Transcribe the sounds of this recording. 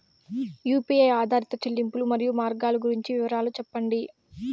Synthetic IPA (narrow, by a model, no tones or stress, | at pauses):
juːpiejaːd̪ʱaːɾit̪ɐt͡ʃelːimpulumɐɾijumaːɾɡaːluɡuɾiɲt͡ʃiʋɪʋɐɾaːlut͡ʃɛpːɐɳɖi